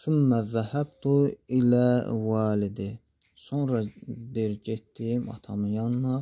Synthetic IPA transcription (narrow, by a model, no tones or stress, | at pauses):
θumːæðæhæbt̪ʰuilæwɑːlid̪i | sonɾɑd̪iɾɟet̪d̪imɑ̰t̪ʰɑmɯjɑnːɑ